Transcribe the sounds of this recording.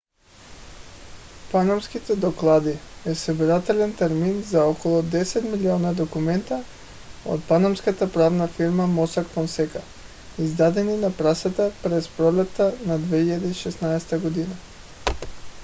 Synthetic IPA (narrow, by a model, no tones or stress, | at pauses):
panamskit̪ɛd̪oklˠad̪iɛsobiɾat̪ɛlɛnt̪ɛɾminzaokɔlˠɔd̪ɛsɛt̪milionad̪okumɛnt̪a | o̰t̪̚panamskat̪apɾavnafiɾmamɔsakfɔnsɛka | izd̪ad̪ɛninapɾasat̪apɾɛspɾolɛt̪ːanad̪vɛiʎad̪iiʃɛsnaɛst̪aɡod̪ina